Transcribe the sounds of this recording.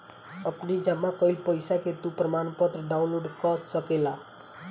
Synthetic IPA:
ʌpnid͡ʒamːakʌilpəjsaket̪upɾəmanpət̪ɾəɖaũnloɖkʌtsʌkela

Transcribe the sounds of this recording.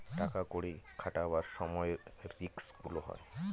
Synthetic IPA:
ʈakakoɽikʰaʈabaɾsɔmɔjɾiksɡuloɦɔ̰j

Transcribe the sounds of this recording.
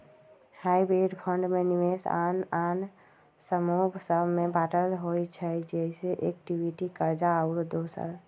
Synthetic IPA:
haibɾeɖpʰəɳɖmenimesa̰nan | səmubʱsəbʱmebaʈəlɦojt͡ʃʰəd͡ʒɛiseʔek̚ʈibiʈikəɾd͡ʒaəʊɾd̪osə̰ɾ

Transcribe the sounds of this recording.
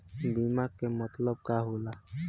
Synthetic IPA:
bimakːemɔt̪lɔb̚kaɦola

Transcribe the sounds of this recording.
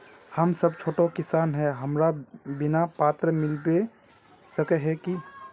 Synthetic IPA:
həmsəbt͡ʃʰoːʈokɪsaːnɦɛɦəmɾabɪnapaːt̪ɾəmɪlbe | səkɛɦɛki

